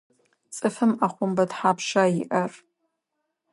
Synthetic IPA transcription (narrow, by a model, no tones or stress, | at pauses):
t͡sʼɨfɨmaχʷʊmbɐdħapʰʃaiʔɐr